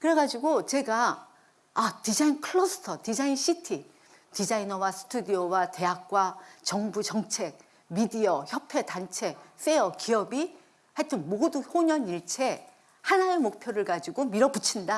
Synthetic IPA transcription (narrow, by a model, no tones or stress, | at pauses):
kɯɾe̞ɡad͡ʑiɡot͡ɕe̞ɡaː | tid͡ʑainkʰɯɭosʰɯ̥tʰʌtid͡ʑainɕʰitʰi | tid͡ʑainʌwasʰɯ̥tʰudiʌwate̞jak̚k͈wat͡ɕʌŋbut͡ɕʌŋt͡ɕʰe̞k̚ | midiʌçjʌpʰe̞tant͡ɕʰe̞s͈e̞ʌkiʌbi | haɭtʰɯnmoduçoɲʌniɭt͡ɕʰe̞ | hanaemok̚pʰjoɾɯɭɡad͡ʑiɡomiɾʌbut͡ɕʰinda